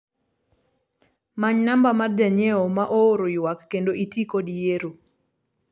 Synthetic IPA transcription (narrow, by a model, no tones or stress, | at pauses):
maɲnambamard͡ʒaɲeomaʔooɾojwakːendoʔitikodijeɾo